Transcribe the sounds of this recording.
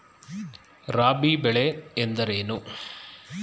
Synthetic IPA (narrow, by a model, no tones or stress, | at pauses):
ɾaːbibɛɭeend̪ɐɾeːnu